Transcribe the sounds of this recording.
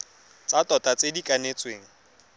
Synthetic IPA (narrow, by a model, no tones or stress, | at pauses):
t͡sʼatʼɔtʼat͡sʼedikʼanet͡sʼweːŋ̩